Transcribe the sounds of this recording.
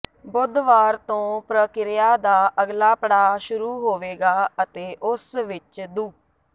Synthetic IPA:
bʊd̪ʋaːɾt̪õːpɾəkɪɾɪjaːd̪aːʔəɡlaːpəɽaːʃʊɾuːɦoːʋeːɡaːət̪eːʔʊsʋɪt͡ʃd̪uː

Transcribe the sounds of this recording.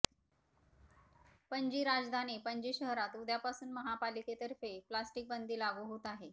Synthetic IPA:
pəɲd͡ʑiːɾad͡zd̪ʱanipəɲd͡ʑiːɕəɦɾat̪ud̪ʱjapasuːnməɦapaliket̪əɾfeplasʈik̚bənd̪ʱiːlaɡuɦut̪aɦe

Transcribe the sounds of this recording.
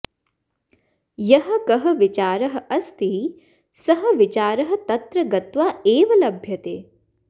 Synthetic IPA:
jɐɦɐ̆kɐɦɐʋit͡ʃaːɾɐɦɐ̆ɐst̪i | sɐɦɐ̆ʋit͡ʃaːɾɐɦɐ̆t̪ɐt̪ɾɐɡɐt̪ʋaːeːʋɐlɐbʱjɐt̪eː

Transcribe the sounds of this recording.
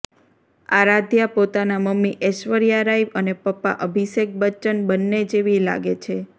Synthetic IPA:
aɾad̪ʱjapot̪anaməmːiʔɛʃʋəɾjaɾaibənepəpːa̰ʔəbʱiʃek̚bət͡ʃənbənːed͡ʒeʋila̰ɡet͡ʃʰe

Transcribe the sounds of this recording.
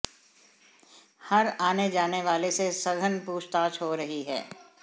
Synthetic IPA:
hɐɾaːned͡ʒaːneʋaːlesesɐɡʱənpuːʃt̪aːt͡ʃɦoɾɐɦiɦɛ̰ː

